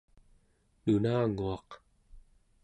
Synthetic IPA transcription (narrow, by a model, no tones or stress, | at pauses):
nunaːŋuɑq